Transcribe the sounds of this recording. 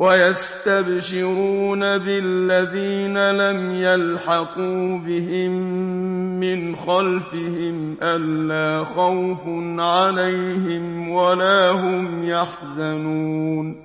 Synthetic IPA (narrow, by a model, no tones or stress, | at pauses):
wajast̪abʃɪɾuːnabɪlːaðiːnalamjalħɑquːbɪɦɪmː | ɪnxalfɪhɪmʔalːaːxawfnʕalajhɪmwalaːɦʊmjaħzanuːn